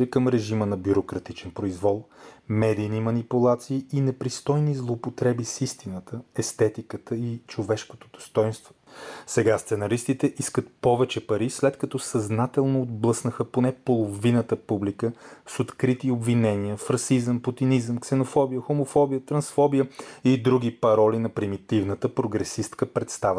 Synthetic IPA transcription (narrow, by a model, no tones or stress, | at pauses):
ɛkəmɾɛʒimənɐbjuɾokɾɐt̪it͡ʃɛnpɾoizvɔlˠmɛd̪ijnimɐnipulˠat̪siːinɛpɾist̪ɔjnizlˠoːpot̪ɾɛbisist̪inət̪ʰəɛst̪ɛt̪ikət̪əit͡ʃovɛʃko̥t̪od̪o̥st̪ɔjnst̪vosɛɡast̪sɛnɐɾist̪it̪ɛʔiskət̪̚pɔvɛt͡ʃɛpɐɾislɛt̪kɐt̪ɔsɐznat̪ɛlˠnoːd̪̚blˠɤsnəxəponɛpolˠovinət̪əpublikəsot̪kɾit̪iobvinɛniəfɾɐsizəmpot̪inizəmksɛnofɔbijəxomofɔbijət̪ɾɐnsfɔbijəid̪ɾuɡ̟ipɐɾɔlinɐpɾimit̪ivnət̪əpɾoɡɾɛsist̪kəpɾɛt̪st̪avə